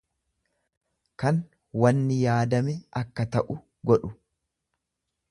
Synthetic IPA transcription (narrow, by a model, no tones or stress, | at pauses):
kɐn | wɐnːɪjaːd̪ɐmɛɐkːɐt̪ɐʔʊ | ɡɔᶑʊ